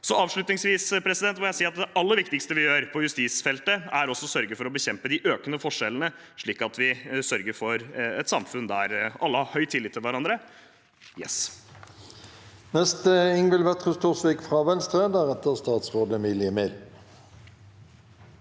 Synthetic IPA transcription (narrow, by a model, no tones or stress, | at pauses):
sɔʔɑːʋʂɭʉt̪nɪŋsʋiːspʰɾɛsɪd̪ɛnt̪mɔjæɪsiːɑt̪̚d̪ɛʔɑlːəɾʋɪkt̪ɪkst̪əʋɪjøːɾpʰɔjʉst̪iːsfɛlt̪əæɾɔsːɔsœɾɡəfɔɾɔbəçɛmpəd̪ɪʔøːkənəfɔʂːɛlən̩ə | ʂɭiːkɑt̪ʋɪsœɾɡəɾfɔɾɛt̪sɑmfʉnd̪æɾʔɑlːəhɑɾhœʏt̪ʰːɪlːɪt̪ːɪlʋæɾɑnd̪ɾə | jɛ̰s | nɛst̪əɪŋʋɪlʋɛt̪ʁʉst̪ʰuːʁsʋikfʁɑʋɛnst̪ʁeːd̪ɑʁɛt̪əʁst̪ɑːt̪sʁoːd̪əmɪləmeːl